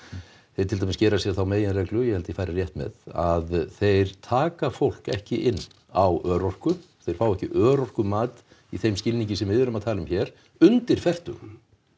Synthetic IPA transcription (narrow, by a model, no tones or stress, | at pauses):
θejɾt̪ʰɪlt̪amɪscɛːɾasjɛɾ̥θawmeːjɪnrɛklʏjɛhɛlt̪ɪfaːjɾarjɛht̪mɛ̰ðaðθejɾ̥t̪ʰaːkafowl̥kɛ̰hcɪʔɪnː | awœːɾɔwr̥kʏθejɾ̥faːwɛhcɪʔœːɾɔr̥kʏmaːt̪ | iθejmscɪlniɲcɪsɛmvɪðvɛɾʏmaðt̪ʰaːlʏmçɛɾ̥ | ʏnt̪ɪɾ̥fɛr̥t̪ʏ̰ɣ